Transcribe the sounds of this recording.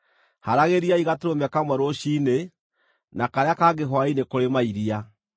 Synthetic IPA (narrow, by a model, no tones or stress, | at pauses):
haɾaɣeɾiaiɣateɾomɛkamwɛɾoʃine | nakaɾeakaɡeɦwainekoɾemaiɾia